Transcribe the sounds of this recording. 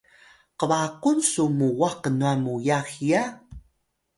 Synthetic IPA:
qəβakunsumuwaqənuamujaxija

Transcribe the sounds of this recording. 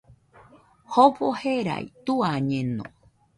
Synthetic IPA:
hopoheɾa̰jt̪uaɲẽnõ̰

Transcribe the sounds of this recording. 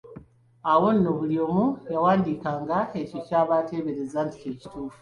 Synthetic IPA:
awo̞nːoβuljo̞mujawaːndikaːŋɡae̞cicaːβate̞βe̞ɾe̞zanti̥ceci̥tuːfu̥

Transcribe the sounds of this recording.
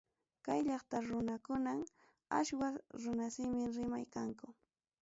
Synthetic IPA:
kajʎɑχt̪aɾʊnakʊnam | a̰ʃwaɾʊnasɪmɪɾɪmajkaŋkʊ

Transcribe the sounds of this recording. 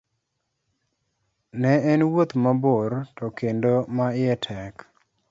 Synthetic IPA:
nɛɛnwot̪mabortɔkendomaɪɛtʰɛk

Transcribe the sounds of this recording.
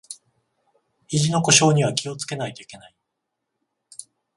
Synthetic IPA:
iʑino̞ko̞ɕo̞ːɲ̟iβ̞akʲio̞t͡sɨ̥ke̞nait̪o̞ike̞nai

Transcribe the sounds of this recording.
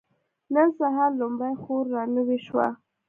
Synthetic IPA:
nənsaɦaɾlomɽajxoɾːɑnəweʃwa̰

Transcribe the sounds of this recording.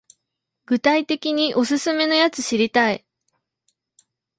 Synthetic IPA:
ɡ̥ɯ̟t̪ait̪e̞kʲiɲ̟iʔo̞sɨsɨme̞no̞jat͡sɨɕiɾʲit̪ai

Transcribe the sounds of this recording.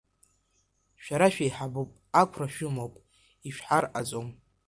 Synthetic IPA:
ʃᶣaɾaʃᶣajħabopʼakʷʰraʃᶣʊmopʼ | iʃᶣħarat͡sʼom

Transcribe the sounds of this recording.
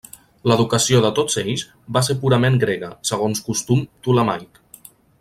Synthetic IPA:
ləðukəsioðət̪oz̥ejs | bas̬eɾpuɾəmeŋɡɾeɣəsəɣ̞onskust̪umt̪uləmajk

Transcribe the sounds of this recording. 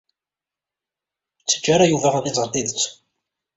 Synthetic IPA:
t͡sːə̥d͡ʒːaɾajuvæʁaðizˤəɾˤt̪iðət͡sː

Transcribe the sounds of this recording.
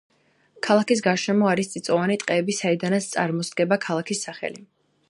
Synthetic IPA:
kʰalˠakis̬ɡaʃɛmɔaɾist̪sʼit̪sʼɔvanit̪ʼqʼɛːbisaid̪anat̪st̪sʼa̰ɾmɔsd̪̚ɡɛbakʰalˠakʰisːaχɛ̰li

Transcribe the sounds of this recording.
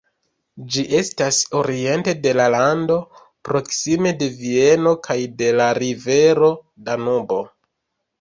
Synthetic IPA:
d͡ʒiʔe̞staso̞ɾie̞nte̞de̞lalando̞ | pɾo̞ksime̞de̞vieno̞kʰajde̞laɾive̞ɾo̞ | danubo̞

